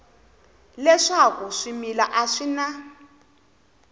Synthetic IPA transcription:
lɛʂakuʂimilaʔaʂina

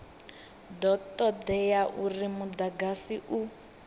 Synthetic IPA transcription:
dɔtʼɔd̪ɛjaʔurimud̪aɡasiʔu

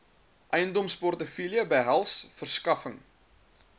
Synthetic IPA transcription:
ʔɛjəndɔmspɔrtəfiliəbəjɦælˠsfərskɐfəŋ

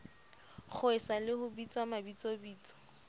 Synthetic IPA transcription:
χʊɪsalɪhʊbit͡sʼwamabit͡sʼobiːt͡sʼɔ̥

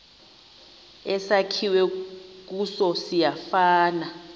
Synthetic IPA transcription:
ɛsakʰiwɛk̬usɔsijafaːna

